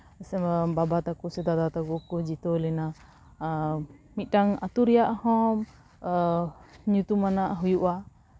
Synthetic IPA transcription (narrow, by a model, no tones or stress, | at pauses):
sɛmbabat̪akusɛd̪at̪at̪aɡɔkud͡ʒit̪ɔlɛna | mit̪̚ˀʈaŋat̪uɾɛjaʔhɔm | ɲut̪umanaʔɦujuʔa